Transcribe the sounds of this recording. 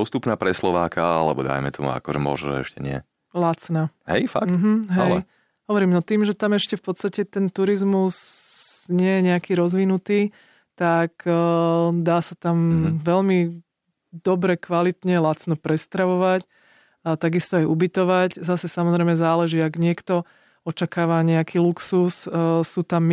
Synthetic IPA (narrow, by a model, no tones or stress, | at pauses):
bɔst̪upnaːpɾɛslɔʋaːkʰaalɛ̰bɔd̪a̰jmɛt̪ɔmṵa̰kɔʒɛ̰mɔ̰ʒɛ̰ɛ̰ʃcɛɲɪɛ̰ | lat͡snaːɦɛ̰jfa̰km̩ɦm̩ɦaɛlɛj | ɦɔʋɔɾiːmnɔt̪iːmʒɛt̪amɛʃcɛfpɔt̪st̪acɛt̪ɛnt̪uɾizmus | ɲɪɛjɛɲɛakiːɾɔzʋinut̪iː | t̪ak | d̪aːsat̪amʋɛʎmi | d̪ɔbɾɛkʋalit̪ɲɛlat͡snɔpɾɛst̪ɾaʋɔʋac | t̪aɡist̪ɔajubit̪ɔʋaczasɛsamɔzɾɛɪmɛzaːlɛʒiːaɡɲɪɛkt̪ɔ | ɔt͡ʃakaːʋaɲɛakʰiːluksusːut̪amː